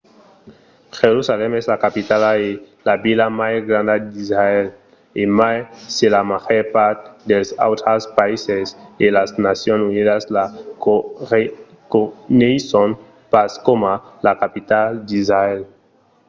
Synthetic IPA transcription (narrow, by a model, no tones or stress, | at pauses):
xeɾusalemezlakapit̪alae | laβilamajzɡɾand̪ad̪izɾael | emajselamaxeɾpaɾt̪d̪elsa̰wt̪ɾaspaisezd̪elaznasjonsuniðaslakoe | konejson | paskomalakapit̪ald̪izɾael